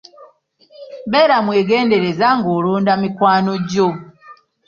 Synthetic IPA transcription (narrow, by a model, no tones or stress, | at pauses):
bɛɾamweːɡɛːndeɾezaŋɡoɾuːndamikwaːnoɟo